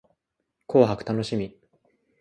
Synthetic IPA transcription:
kʰo̞ːɦakɯ̟̥t̪ano̞ɕimʲi

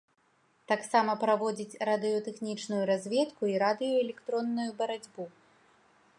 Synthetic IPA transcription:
t̪aksamɐpɾavɔd͡zʲit͡sʲrad̪ɨjɔt̪ɛxnʲit͡ʂnujuɾazʲvʲɛt̪kuiɾad̪ɨjɔɛlʲɛkt̪ɾɔnːujubɐɾad͡zʲbu

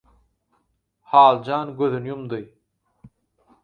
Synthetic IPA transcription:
hɑːlˠd͡ʒɑːnɡøðynjumd̪ɯj

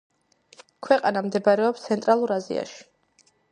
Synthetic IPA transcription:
kʰwɛqʼanamd̪ɛbɾɛɔpst̪sʰɛnt̪ʼɾalˠuɾazḭa̰ʃi̥

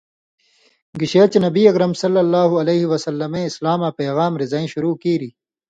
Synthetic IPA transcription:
ɡiɕeːt͡ɕnɐbiːɐkɾɐmsɐlːɐlːaːɦuɐleːɦiwɐsɐlːɐmẽɪslaːmaːpeːɣaːmɾɪzaːĩɕuɾuːkiːɾiː

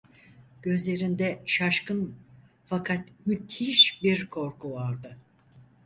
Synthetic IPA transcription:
ɟ̥ø̞zlʲe̞ɾind̪ɛʃaʃkɯn | fakʰat̪myt̪iʃbiɾkʰo̞ɾkʰuvaɾd̪ɯ

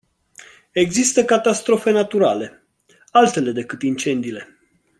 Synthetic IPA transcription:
e̞ɡzist̪əkat̪ast̪ɾo̞fe̞nat̪uɾale̞ | alt̪e̞le̞d̪e̞kɨt̪int͡ʃe̞nd̪iːle̞

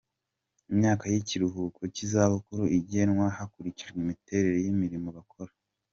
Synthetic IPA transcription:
imɲaːkajiciɾuɦuːkocizaβukuɾuiɟenwahakuɾiciʒɡwemite̞ɾe̞ɾojimiɾimoβakʰo̞ɾa

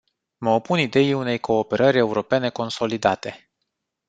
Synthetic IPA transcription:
məopunid̪e̞iune̞jko̞ːpe̞ɾəɾʲe̞uɾo̞pe̞ne̞ko̞nso̞lid̪at̪e̞

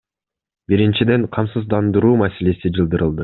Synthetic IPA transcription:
biɾint͡ʃid̪e̞ɴqʰɑmsɯzd̪ɑnd̪ɯɾuːmase̞le̞sid͡ʒɯlˠd̪ɯɾɯlˠd̪ɯ

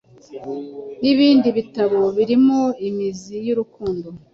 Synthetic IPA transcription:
niβiːndiβitaβoβiɾimoimizijuɾukuːndo

